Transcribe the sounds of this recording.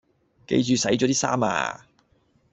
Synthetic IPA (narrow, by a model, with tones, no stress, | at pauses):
kḛ˧jt͡ʃyː˨˧sɐ˨˥jt͡ʃɔː˨˥t̪iː˥sa̰ː˥ma̰ː˧